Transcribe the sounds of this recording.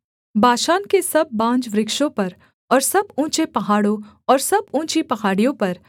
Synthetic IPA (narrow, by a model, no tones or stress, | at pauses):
bʱaːʃaːnkesɐbːãːd͡ʒʋɾɪkʃõpɐɾ | ɔːɾsɐbũːt͡ʃepɐɦaːɽõ | ɔːɾsɐbũːt͡ʃipɐɦaːɽijõpɐɾ